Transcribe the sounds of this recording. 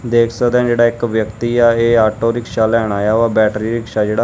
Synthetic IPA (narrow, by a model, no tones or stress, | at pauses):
d̪eːkʰsəkd̪ɛ̃ːd͡ʒeːɽaːɪkʋjəkt̪iːaːeːaːʈoːɾɪkʃaːlɛːɽ̃aːjaːaːbɛːʈɾiːɾɪkʃaːd͡ʒeːɽaː